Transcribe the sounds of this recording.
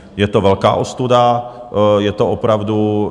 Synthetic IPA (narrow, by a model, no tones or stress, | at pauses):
jɛt̪ovɛlka̰ːʔost̪uda | jɛt̪oopɾavdu